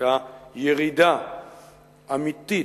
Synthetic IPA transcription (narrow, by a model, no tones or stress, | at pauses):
ajeɾid̪a | amit̪ːi